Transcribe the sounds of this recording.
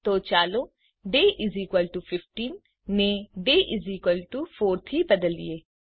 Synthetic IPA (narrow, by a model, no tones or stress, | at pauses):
t̪oːt͡ʃaːloː | ɖeːʔɪzikwəlʈupʰɪfʈiːnː | eɖeːʔɪziːkwəlʈupʰoːɾt̪ʰiːbəd̪əlḭeː